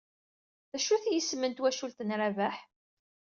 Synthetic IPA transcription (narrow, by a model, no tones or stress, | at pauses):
θæʃuθjəsːmənt̪wæʃult̪ənɾavæħ